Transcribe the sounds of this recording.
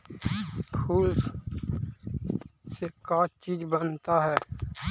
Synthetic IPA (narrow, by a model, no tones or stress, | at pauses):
kʰuːl | sekaːt͡ʃiːd͡ʒbənt̪aɦɛː